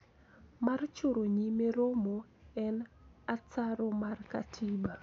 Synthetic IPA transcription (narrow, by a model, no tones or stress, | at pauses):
mart͡ʃoɾoɲimeɾomoɛnat͡saɾomarka̰tʰiba